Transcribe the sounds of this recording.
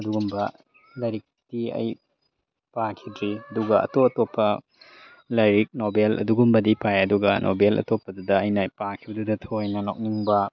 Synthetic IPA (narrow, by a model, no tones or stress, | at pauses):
ɐduɡumbɐ | lɐjɾik̚tiɐ̰j | pakʰidɾiɐduɡɐɐ̰toɐtopːɐ | lɐjɾik̚nobelʔɐ̰duɡumbɐdipʰajɐduɡɐnʔo̰belɐ̰topːɐdudɐːjnɐpakʰibɐdudɐtʰoɐjnɐnok̚niŋbɐ